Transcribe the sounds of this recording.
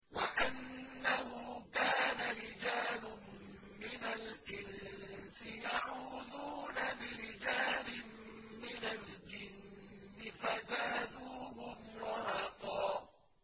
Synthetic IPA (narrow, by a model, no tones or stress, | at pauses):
waʔanːahʊkaːnaɾɪd͡ʒaːlʊ | mɪnalʔɪnsɪjaʕuːðuːnabɪɾɪd͡ʒaːlɪm | mɪnald͡ʒɪnː | ɪfazaːd̪uːɦʊmwahɑt̪ɑː